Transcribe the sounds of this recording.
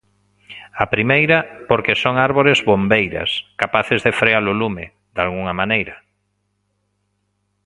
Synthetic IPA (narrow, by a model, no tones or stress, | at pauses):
apɾimejɾɐpoɾkesoŋaɾβoɾezβombejɾɐ̰skapaθezðefɾealʊlumɪ̰ | d̪alɣuŋɐmanejɾɐ